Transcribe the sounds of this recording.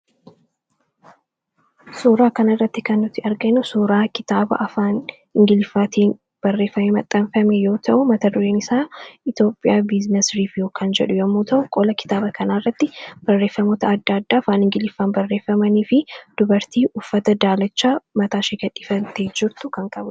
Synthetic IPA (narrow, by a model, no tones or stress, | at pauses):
suːɾaːkɐnɐrːɐt̪ːɪkɐnːʊt̪ːɪɐɾɡɐnːʊsuːɾaːkɪt̪aːbɐ̰ʔɐfaːn | ɪŋɡɪlɪfːaːt̪ʰiːn | b̥ɐrːe̞ːfːɐmeːmɐt̪ʼːɐnfɐmɛjo̞ːt̪ʰɐʔʊmɐt̪ɐd̪ʊɾeːnɪsaːɪt̪jo̞ːpʼːɪjaːbɪznɛsɾiːfjoːkaːnd͡ʒɛᶑʊjɐmːoːt̪ɐʔʊkʼɔlɐkɪ̥t̪aːbɐkʰɐnaːrːɐt̪ːɪb̥ɐrːe̞ːfːɐmoːt̪ɐɐd̪ːad̪ːaːɐfaːnɪŋɡɪlɪfːaːnbɐrːeːfːɐmɐniːfɪd̪̥ʊbɐɾt̪iːʔʊfːɐt̪ɐd̪aːlɐt͡ʃːaːmɐt̪aːʃeːɡɐᶑʼɪfɐnt̪eːd͡ʒɪɾt̪ʊkɐŋkʼɐbʊ